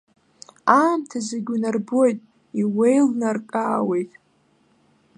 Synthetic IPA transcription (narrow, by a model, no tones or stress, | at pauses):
aːmtʰazeɡʲunarbo̞jtʼ | iwejlnarkʼaːwejtʼ